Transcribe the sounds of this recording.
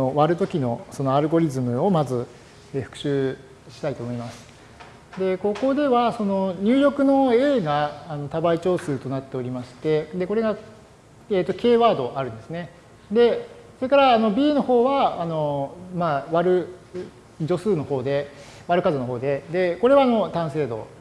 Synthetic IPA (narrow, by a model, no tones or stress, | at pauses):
o̞βaɾɯ̟t̪o̞kʲino̞so̞no̞aɾɯ̟ɡo̞ɾʲizɨmɯ̟o̞mazɨ | eɸɯ̟̥kɯ̟̥ɕɨː | ɕi̥t̪ait̪o̞ːmo̞imasɨ̥ | d̪e̞ko̞ko̞d̪e̞βaso̞no̞ɲ̟ɨːɾʲo̞kɯ̟no̞e̞ːɡaːno̞t̪abait͡ɕo̞ːsɨːt̪o̞nat̪ːe̞o̞ɾʲimaɕi̥t̪e̞d̪e̞ko̞ɾe̞ɡa | eːt̪ːo̞kʲe̞ːβaːd̪o̞ʔaɾɯ̟̃nd̪esɨne̞ | d̪e̞ | so̞ɾe̞kaɾaːno̞bʲiːno̞ho̞ːβaːno̞maβaɾɯ̟ | d͡ʑo̞sɨːno̞ho̞ːd̪e̞ | βaɾɯ̟kazonoɦo̞ːd̪e̞d̪e̞ko̞ɾe̞βaːno̞t̪ãɰ̃se̞ːd̪o̞̰